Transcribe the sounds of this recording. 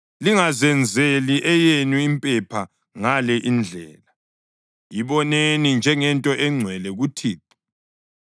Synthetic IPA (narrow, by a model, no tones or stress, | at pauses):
liŋazɛnd͡zʱeliʔɛjenwiːmpʼɛpʰa | ŋalɛʔind͡ɮʱɛːla | jiβɔnenind͡ʒʱɛŋɛntʼɔʔɛŋ͡ǀʱwɛlɛɣutʰiːǃi̥